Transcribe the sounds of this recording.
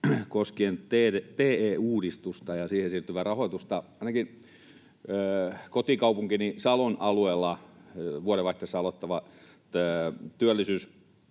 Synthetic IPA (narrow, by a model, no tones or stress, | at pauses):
koskient̪eːet̪eːeːuːdist̪ust̪ɑjɑsiːhesiːrt̪yʋærɑhoˑit̪ust̪ɑɑˑinɑkin | kot̪ikɑupuŋkinisɑlonɑlueːlːɑʋuoɾeʋɑiht̪ːesːɑlot̪ːɑʋɑ | t̪yølːisyːs